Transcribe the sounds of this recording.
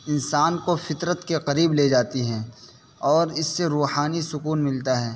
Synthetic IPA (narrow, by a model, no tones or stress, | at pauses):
ɪnsaːnkofɪt̪ɾət̪keqɐɾiːbleːd͡ʒaːt̪iɦɛ̃ː | ɔːɾɪsːeɾuːhaːnisʊkuːnmɪlt̪aɦɛː